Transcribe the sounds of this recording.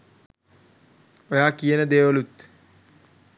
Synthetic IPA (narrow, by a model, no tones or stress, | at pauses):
ojaːkijenəd̪eːʋəlut̪